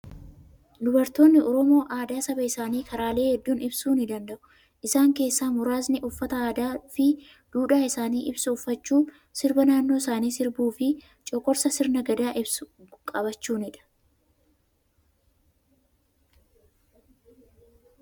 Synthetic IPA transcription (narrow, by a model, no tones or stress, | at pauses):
d̪ʊbɐɾt̪o̞ːnːɪɔɾɔmo̞ːʔaːd̪aːsɐbɐɪsaːniːkʰɐɾaːle̞ːhɛd̪ːuːnɪbsuːnɪd̪ɐnd̪ɐʔʊ | ʔɪsaːŋke̞ːsːaːmʊɾaːznɪʔʊfːɐt̪ɐaːd̪aːfɪ | d̪̥uːᶑaːɪsaːniːʔɪbsɐʊfːɐt͡ʃːuː | sɪɾbɐnaːnːo̞ːsaːniːsɪɾbuːfɪ | t͡ʃʼɔkʼːɔɾsɐsɪɾnɐɡɐd̪aːʔɪbsʊ | kʼɐbɐt͡ʃːuːnɪᶑɐ̥